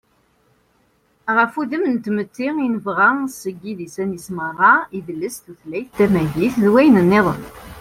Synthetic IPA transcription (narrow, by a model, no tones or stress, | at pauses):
ʁəfuðəmnt̪ːmət̪ːiinəvʁasəɡːiðisænisməʁɑiðəlːəsθuθlæjθθæmæʝiθðwæjnənːeðˤən